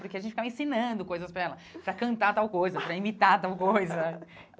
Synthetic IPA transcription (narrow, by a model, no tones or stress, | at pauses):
pʊɾkeɐʒẽt͡ʃɪfkavɐẽsĩnɐ̃d̪ʊkojzɐspɾɐɛlɐpɾɐkɐ̃nt̪at̪awkojzɐpɾɐimit̪at̪awkojzɐ